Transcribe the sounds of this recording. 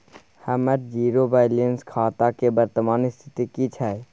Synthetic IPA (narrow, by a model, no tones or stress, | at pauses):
hɛməɾd͡ʒiːɾobaːɪlənskʰaːt̪akebəɾt̪əmaːnɪst̪ʰɪ̥t̪ikit͡ʃʰɛ